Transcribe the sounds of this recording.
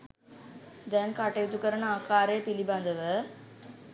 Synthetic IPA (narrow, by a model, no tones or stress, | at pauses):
d̪ɛnkɐʈːɐjut̪ukːɐɾɐnaːkaːɾeːpilibɐnd̪ɐʋə